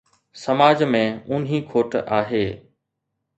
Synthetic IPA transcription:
sɐmaːd͡ʑmẽʊnɦĩkʰoːʈaːɦeː

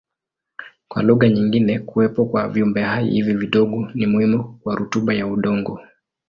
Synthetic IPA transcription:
kwa̰luɣaɲiŋɡinɛkuwɛpɔkwa̰viumbɛɦaḭhiviviɗɔɠɔnimuhimukwaɾutuɓajauɗɔŋɡɔ

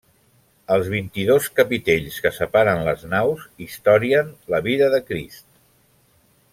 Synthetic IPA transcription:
əlˠzβ̞int̪iðoskəpit̪eʎskəsəpaɾənləznawzist̪ɔɾiənləβiðəðəkɾḭst̪

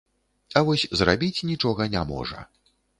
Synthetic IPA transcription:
ɐvɔsʲzra̰bʲit͡sʲnʲit͡ʂɔɣɐnʲamɔ̰ʐɐ̰

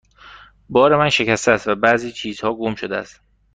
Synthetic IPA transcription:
bɒːɾe̞mænʃe̞cæst̪eːst̪væbæziːt͡ʃʰiːzhɒːɡomʃod̪eæ̰st̪

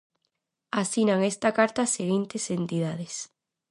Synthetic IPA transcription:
asinaŋest̪akaɾt̪aːseɣint̪esent̪iðað̞es

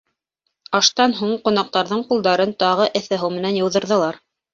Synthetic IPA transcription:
ɑʃt̪ɑnɦuɴqŏnɑq̚t̪ɑɾðɤɴqulˠd̪ɑɾɤnt̪ɑʁɤʔɘ̆θæɦɤwmɘ̆nænjɤ̆wðɤ̆ɾðɤ̆lˠɑɾ

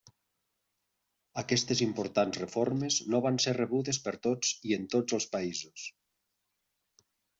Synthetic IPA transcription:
akɛst̪ezimpoɾt̪anzrefoɾmeznoβansereβuðespeɾt̪ot͡sient̪od͡zəlˠspaizus

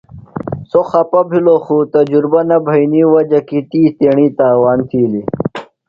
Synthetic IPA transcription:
soxɐpɐbʱiloxut̪ɐd͡ʑuɾbɐnɐbʱɐiniːwɐd͡ʑɐkit̪iːt̪eːɳiːt̪aːwaːnt̪ʰiːli

